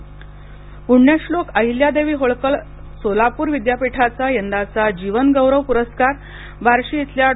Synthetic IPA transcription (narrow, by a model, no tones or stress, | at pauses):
puɳjaslokəɦiljad̪eʋiːɦoɭkəɭ | solapuːɾʋid̪japiʈʰat͡sajənd̪at͡sad͡ʑiʋənɡəwɾəʋpuɾəskaɾ | baɾɕiːt̪lja